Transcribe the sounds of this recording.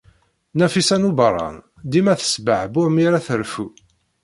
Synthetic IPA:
næfisænubəɾˤɑ̰n | d̪imæθə̥sbəʕbʊʕmiɾæθəɾfu

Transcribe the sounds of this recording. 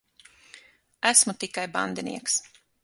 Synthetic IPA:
æsmut̪ikajba̰nd̪ɛnḭɛks

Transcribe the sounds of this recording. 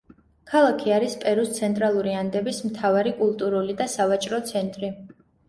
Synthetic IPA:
kʰalˠakʰiaɾispʼɛɾust̪sʰɛnt̪ʼɾalˠuɾiand̪ɛbismt̪ʰavaɾikʼulˠt̪ʼuɾulid̪asavat͡ʃʼɾɔt̪sʰɛnt̪ʼɾi

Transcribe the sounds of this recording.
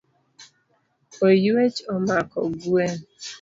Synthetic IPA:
ojuet͡ʃɔmakɔ̰ɡuen̩

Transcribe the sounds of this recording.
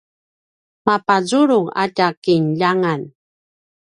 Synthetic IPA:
mapazuɾuŋa̰takinʎaŋan

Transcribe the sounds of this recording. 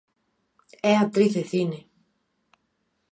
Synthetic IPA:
eat̪ɾiθeθine

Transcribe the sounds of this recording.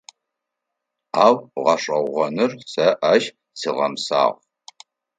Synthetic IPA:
aːwʁɐɕʷʼɐʁʁʷɔnɨrsɐʔɐʒ | siʁɐ̰msa̰ːʁ

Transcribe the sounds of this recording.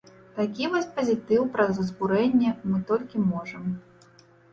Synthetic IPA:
t̪akʲivɔsʲpɐzʲit̪ɨwpɾɐzɐzbuɾɛnʲːɛmɨt̪ɔlʲkʲimɔʐɐm

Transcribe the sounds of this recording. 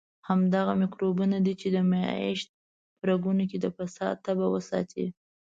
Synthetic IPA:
hamd̪aɣamɪkɾobunad̪it͡ʃed̪əma̰ɪʃt̪̚ | pəɾaɡunoked̪əfasɑ̰d̪̚t̪ːabawəsɑ̰t̪ʰḭ

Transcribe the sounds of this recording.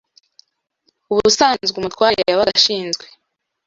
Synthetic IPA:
uβusaːnzɡumutwaːɾiaβaɡaʃiːnzɡwe

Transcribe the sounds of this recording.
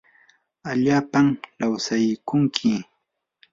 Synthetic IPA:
aʎaːpamlawsajkʊŋkʰɪ

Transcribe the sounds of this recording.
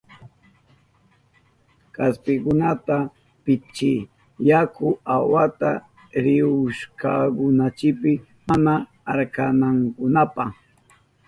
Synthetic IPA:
kaspɪkʊnat̪a | pɪt͡ʃɪ | jakʊawat̪a̰ | ɾɪʊʃkakʊnat͡ʃɪpɪ | manaː | ɾkanaŋkʊnapɑχ

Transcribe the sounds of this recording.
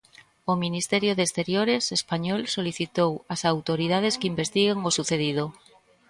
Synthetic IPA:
ominist̪eɾjoðest̪eɾjoɾesespaɲɔlsoliθit̪owasawt̪oɾið̞að̞eskimbest̪iɣeŋosuθeð̞ið̞o

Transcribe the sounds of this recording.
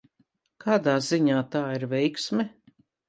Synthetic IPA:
kʰaːd̪aːziɲaːt̪aːiɾvɛjksmʲɛ

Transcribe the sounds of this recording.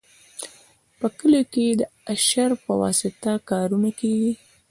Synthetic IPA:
pəkəloked̪əaʃaɾpəwɑ̰sɪt̪akɑɾunakeɡi

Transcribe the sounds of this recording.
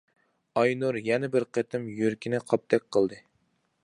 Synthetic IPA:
ɑjnuɾjɛnɛbɪɾqʰet̪ʰɪmjyɾkʲʰɪnɪqʰɑp̚t̪ʰɛk̚ʲqʰəlˠd̪ɨ

